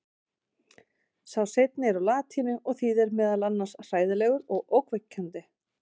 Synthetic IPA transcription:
sawsejt̪nɪɛɾawlaːt̪ʰiːnʏʔɔɣθiːðɛɾmɛːðalanːasr̥aːjðɪlɛːɣʏɾɔɣowkvɛcʰːant̪ɪ

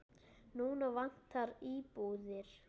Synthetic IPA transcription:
nuːnavan̥t̪ʰaɾiːpuːðɪɾ̥

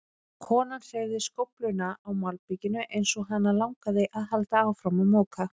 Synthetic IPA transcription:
kʰɔːnanɬeːɣðɪskowplʏɥnaʔawmalpicɪnːʏʔejnsɔɦanːalawŋkaðɪʔaðɦalt̪aaːwfɾamamɔːwkʰa

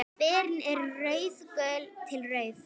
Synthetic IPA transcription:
pɛːɾnɛɾrejskœːlt̪ʰɪlrejθ

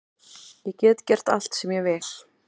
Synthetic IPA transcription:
jɛcɛːt̪cɛr̥t̪a̰l̥t̪sɛmjɛvɛːl̥

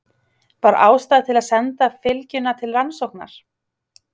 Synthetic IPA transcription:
paːɾa̰ːwst̪aːðt̪ʰɪlaðsɛnt̪afɪlcʏnat̪ʰɪlɾansowhkna̰ɾ̥

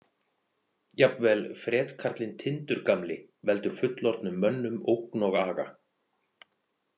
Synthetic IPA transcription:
japnvɛːlfɾɛːt̪kʰaɾ̥t̪lɪnt̪ʰɪnt̪ʏɾ̥kamlɪ | vɛl̪t̪ʏɾ̥fʏt̪lɔɾt̪nʏmːœnːʏmowknɔɣaːɣa̰

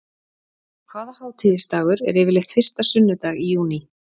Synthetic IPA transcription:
kʰvaːðahaːwt̪ʰiːðɪst̪aːɣʏɾɛ̰ɾɛːvɪlɛxt̪fɪr̥st̪asʏnːʏt̪aːɣijuːni

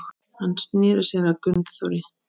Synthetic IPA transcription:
x | hansnɛːɾɪsɛɾakʏnt̪θɔɾjɪ

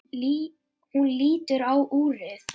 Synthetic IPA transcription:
hunliːt̪ʏɾawʔuːɾɪθ

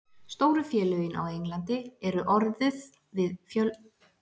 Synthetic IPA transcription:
st̪oːwɾʏfjɛːlœɥjɪna̰wejŋlant̪ɪɛɾʏʔɔɾðɪð | vɪðfjœl

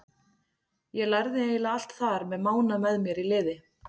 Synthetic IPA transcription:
jɛɣlajɾðɪeːjlaal̥t̪θaɾmɛðmaːwnamɛðmjɛɾilɪːðɪ

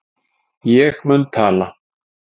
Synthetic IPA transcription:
jɛxmənt̪ʰala

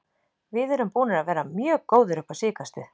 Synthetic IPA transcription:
vɪðɛɾʏmpuːnɪɾaðvɛːɾamjœːkoːwðʏɾʏhpḁsɪːkast̪ʏ

